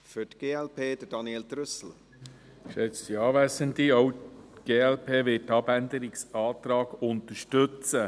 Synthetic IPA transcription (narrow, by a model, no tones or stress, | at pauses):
fʏtɡ̥eːɛlpʰeːd̪̥əd̥ɑnjeːldɾʏsl̩ | ʃɛt͡stiɑːvæsəntiowɡ̥eːɛlpʰeːʋɪt̚tɑbændəɾɪksɑːt̪ɾɑːɡ̥ʊnt̪əɾʃtʏt͡sə